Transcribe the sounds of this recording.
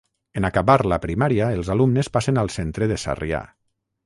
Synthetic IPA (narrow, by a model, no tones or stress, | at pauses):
enakaβaɾlapɾimaɾiaelˠzalumnespasenalˠsent̪ɾeðesa̰ria̰